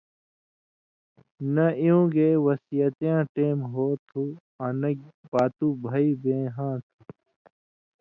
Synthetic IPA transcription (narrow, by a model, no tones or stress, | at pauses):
nɐijũːɡeːwɐsijɐt̪jãːʈeːmɦoːt̪ʰu | anɐbaːt̪uːbʱɐiːbẽːɦãːt̪ʰu